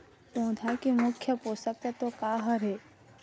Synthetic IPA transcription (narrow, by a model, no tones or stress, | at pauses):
põːd̪ʱakimʊkʰjəpoːsək̚t̪at̪okaːɦəɾeː